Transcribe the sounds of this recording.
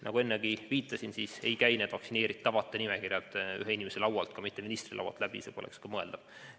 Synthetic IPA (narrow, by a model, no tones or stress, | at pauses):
nʔɑ̰ɡue̞nːeɡiviːt̪ːˑɑsinsiːse̞jkæjned̪̥vɑksine̞ːɾit̪ːɑvɑt̪ːˑenimekirjɑt̪ːy̰ɦeinʲimeselɑwɑlt̪kɑmit̪ːeminist̪rilɑ̰wɑ̰lt̪ˑlæb̥ḭseːpo̞lʔekskɑmɤe̞ld̪ɑb̥̚